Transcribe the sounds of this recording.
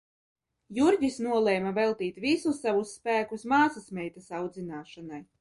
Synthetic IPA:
juɾɟisnuɔlˠɛjmavɛlˠt̪iːt̪visusːavusːpæːkusmaːsasmʲɛjt̪asawd̪zinaːʃanaj

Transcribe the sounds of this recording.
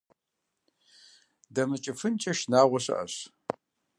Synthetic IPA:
dɐmɨt͡ʃʼɪfɨnt͡ʃʼɐʃnaːʁʷaɕʷɨ̰ʔa̰ɕ

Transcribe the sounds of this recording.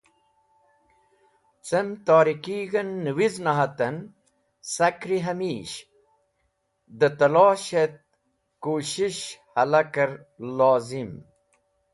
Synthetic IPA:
t͡semt̪aːɾikiɣɐnːəwiznɐɦɐt̪ɐn | sɐkɾiɦɐmiːɕ | d̪ət̪ɐlaːɕet̪̚ | kuːɕiɕhɐlɐkɐɾ | laːzim

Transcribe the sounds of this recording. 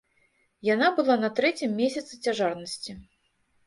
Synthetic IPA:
janabɨlˠanɐt̪ɾɛt͡sʲimːʲesʲɐt̪sɨt͡sʲaʐarnɐsʲt͡sʲi

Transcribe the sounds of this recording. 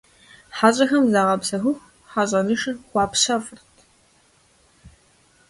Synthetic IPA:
ħaɕʼɐxɐmzaʁɐpsɐxʷʊxʷ | ħaɕʼɐnɨʂɨxʷɑːpɕɐfɨrtʰ

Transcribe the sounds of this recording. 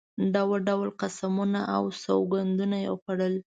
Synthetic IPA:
ɖawaɖawlqasamunaʔawsawɡand̪unajexaɽəl

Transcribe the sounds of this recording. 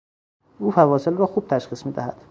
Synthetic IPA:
ʔuːfævɒːselrɒːxuːb̥̚t̪ʰæʃxiːsmiːd̪æ̰hæ̰d̪̥

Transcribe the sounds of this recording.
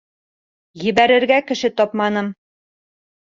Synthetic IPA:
jɘ̆βæɾɘ̆ɾɡækɘ̆ʃɘt̪ɒpmɑnɤm

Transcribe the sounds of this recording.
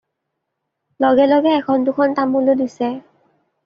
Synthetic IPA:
lɔɡɛlɔɡɛːkʰɔndukʰɔntamulodisɛ

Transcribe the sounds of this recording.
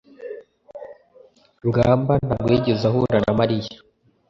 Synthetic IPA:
bɡaːmban̥ab̚ɡwiːɟezaɦuɾanamaɾija

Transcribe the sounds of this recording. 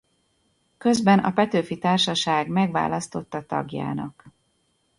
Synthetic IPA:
kø̞zbɛnɒ̰pɛt̪øːfit̪aːrʃɒʃaːɡmɛɡʋa̰ːlɒst̪o̞t̪ːɒt̪ɒ̰ɡja̰ːnɒ̰k

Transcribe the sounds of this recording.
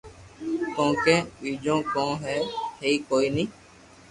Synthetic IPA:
kõːkeːɓiːd͡ʒõːkõːɦɛːheiːkoːiːnĩː

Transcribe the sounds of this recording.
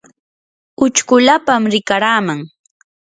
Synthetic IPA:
ʊt͡ʃkʊlapamɾɪkaɾaːmaŋ

